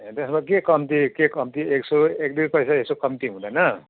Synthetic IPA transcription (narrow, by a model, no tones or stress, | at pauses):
t̪esmakekʌmt̪ikekʌmt̪ieksoekd̪iɾpʌjsaesokʌmt̪iɦũd̪ʌjnʌ